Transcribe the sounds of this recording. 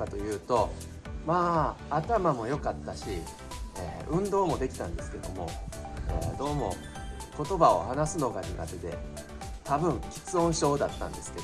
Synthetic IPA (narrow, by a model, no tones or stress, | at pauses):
kat̪o̞jɯ̟ːt̪o̞ | maːt̪amamo̞jo̞kat̪ːaɕi | eːɯ̟̃nd̪o̞ːmo̞d̪e̞kʲi̥t̪ãnd̪e̞sɨ̥ke̞d̪o̞̰mo̞̰ḛːd̪o̞ːmo̞̰ | ko̞t̪o̞bao̞̰hanasɨno̞ɡaɲ̟ḭɡa̰t̪e̞d̪e̞̰ | t̪abɯ̟̃ŋkʲi̥t͡sɨõ̞ɰ̃ɕo̞ːd̪at̪ːã̰nd̪e̞sɨ̥ke̞̥